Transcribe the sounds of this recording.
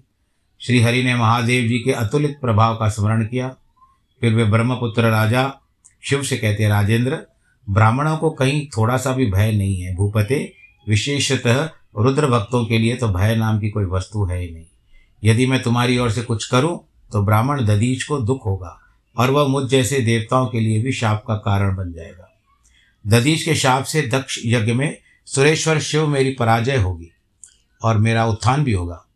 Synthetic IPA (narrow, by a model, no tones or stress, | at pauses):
ʃɾiːɦɐɾinemɐɦaːd̪eːʋd͡ʒiːkeʔɐt̪ʊlɪt̪̚pɾɐbʱaːʋkasməɾəɽ̃kijaː | pʰɪɾʋebɾɐməpʊt̪ɾəɾaːd͡ʒa | ʃʊbsekɛɦt̪eɦɛ̃ɾaːd͡ʒẽːnd̪ɾə | bɾaːməɽ̃õkokɐɦĩt̪ʰoːɽasabʱibʱɐːjnɐɦĩɦɛbʱuːpət̪e | ʋɪʃeːʃɪt̪əɦə | ɾʊd̪ɾəbɐk̚t̪õkeliet̪obʱɐjnaːmkikoːiʋɐst̪uɦɛnɐɦĩ | jɐd̪imɛ̃t̪ʊmɦaːɾiɔːɾsekʊt͡ʃʰkɐɾũ | t̪obɾaːməɽ̃d̪ɐd̪iːd͡ʒkod̪ʊkʰɦoːɡaː | ɔːɾʋɐɦmʊd͡ʒʰd͡ʒɛːsed̪eːʋt̪aːõkeliebʱiʃaːp̚kakaːɾəɽ̃bɐnd͡ʒaːeːɡaː | d̪ɐd̪iːt͡ʃkeʃaːpʰsed̪ɐkʃjɐɡjəmẽ | sʊɾeːʃʋəɾʃɪʋmeːɾipɐɾaːd͡ʒəjɦoːɡiː | ɔːɾmeːɾaʊt̪ʰːaːnbʱiɦoːɡaː